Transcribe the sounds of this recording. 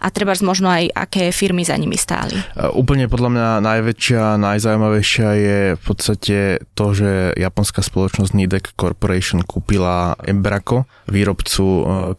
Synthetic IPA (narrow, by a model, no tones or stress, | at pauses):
ʔa̰t̪ɾɛbazmɔʒnɔaja̰kɛːfiɾmiza̰ɲimḭst̪a̰ːlḭʔuːpl̩ɲɛpɔd̪ʎamɲanajʋɛt͡ʃɪanajzaujmaʋɛjʃɪajɛfpɔt̪st̪acɛt̪ɔʒɛjapɔnskaspɔlɔt͡ʃnɔzɟnid̪ɛkːɔɾpɔɾɛʃɔnkʰuːpilaʔɛ̰mbɾakɔ | ʋiːɾɔpt͡su